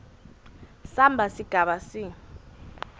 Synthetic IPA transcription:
sambʱasiɡ̥ʱaɓasi

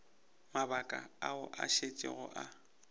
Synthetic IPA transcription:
mabakʼa̰aʊʔaʃet͡ʃʼɪ̰ɣʊʔa

